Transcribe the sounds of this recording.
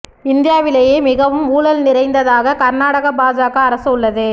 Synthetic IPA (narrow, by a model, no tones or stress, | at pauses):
ɪnd̪ɪjaːʋɪlɐjeːmɪɣɐʋɯmuːlɐlnɪɾɐɪnd̪ɐðaːɣɐkɐɾnaːɽɐɣɐbaːd͡ʒaːɣɐːɾɐsɐʊɭːɐðɯ